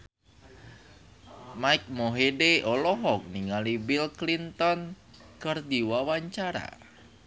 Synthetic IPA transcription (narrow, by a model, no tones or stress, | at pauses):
maik̚moɦeɖeʔɔlɔɦɔk̚niŋalibilklint̪ɔn | kərd̪iwawaɲt͡ʃaɾa̰